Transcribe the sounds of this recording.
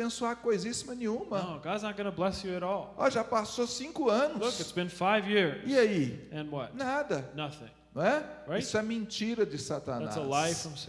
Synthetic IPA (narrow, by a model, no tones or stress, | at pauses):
bẽsuakojzisimɐnẽɲũmɐoʊɡadznət̚ɡ̥ʌnəblɛsjɨɨɾɔlˠɔ̰ʒapasosĩkʊɐ̃nʊlsʊkɨtsb̥ɨ̃nfaɪvjɪɹziaiɨ̃nwʌt̚nad̪ɐnʌθɪ̰̃ŋnɐ̃ɛɹaɪiisʊɛmẽt͡ʃiɾɐd͡ʒɪsat̪a̰næassəlaɪfãms